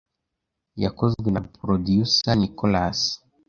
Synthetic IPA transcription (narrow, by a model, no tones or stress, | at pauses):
ja̰kɔzɡwinapɾɔdijusanikɔlas